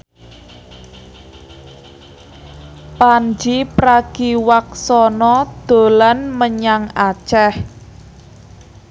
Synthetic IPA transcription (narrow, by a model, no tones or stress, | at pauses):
pand͡ʒipɾaɡ̥iwak̚sɔnɔd̪̥o̤lanməɲaŋat͡ʃɛh